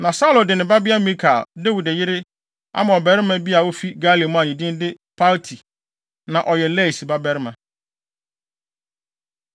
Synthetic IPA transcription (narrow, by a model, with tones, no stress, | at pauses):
nã˨sa˦lo˨dɪ˨nɪ̃˨ba˦bɪ˦a˦mĩ˦kʰa̰˨lde˦wu˨dɛ˨jɪ˦ɾɪ˦ | a̰˦mã˨ɔ˨bɛ˨ɾɪ˦mã˦bi˦a˨wo˦fi˦ɡa˦li˨mʊ̃˦a˨ɲĩ˨dĩ˦n˦dɪ˦ | pʰa˦ltʰi˨ | nã˨ʔɔ˨jɛ˨lɛ˦˨si˨ba˦bɛ˦ɾɪ˦mã˨